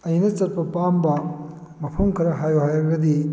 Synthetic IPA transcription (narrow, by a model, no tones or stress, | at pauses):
ɐjnɐt͡sɐɾ̚pɐpambɐ | mɐpʰumkʰɐɾɐɦajoɦajɐɡɐd̪i